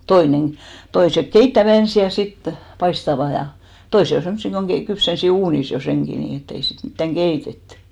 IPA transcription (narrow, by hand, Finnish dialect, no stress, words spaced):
toineŋ toisek keitːæʋæ ensi jɑ sit pɑistɑʋɑ jɑ toise on̞ semsːi koŋ ɡ̊ei kypsensi uːnis jo seŋki niː etː ei sit mitːæŋ ɡ̊eitetːẙ